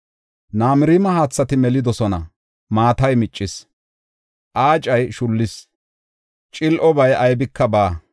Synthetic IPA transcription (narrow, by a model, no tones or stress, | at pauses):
naːmɪɾiːmɐɦaːt͡sːɐt̪ɪmɛlɪd̪ɔsɔnɐ̰ | maːt̪ɐjmɪt͡ʃʼːɪs | ʔaːt͡ʃʼɐjʃʊlːɪs | t͡ʃʼɪlʔɔbɐjɐjbɪkʰːɐbaː